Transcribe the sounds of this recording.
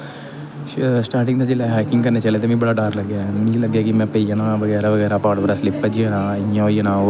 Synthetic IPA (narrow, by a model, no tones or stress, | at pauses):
sʈaːɾʈɪ̃ŋd̪ad͡ʒɪlaɦaːɪkɪ̃ŋɡkɐɾnet͡ʃɐlet̪emĩbɐɽaɖaːɾlɐɡjamĩlɐɡjakimɛ̃peijanaʋɐɡɛːɾaʋəɡɛːɾapaːʈbɐɾaslɪpːəd͡ʒiəna | jãoinãː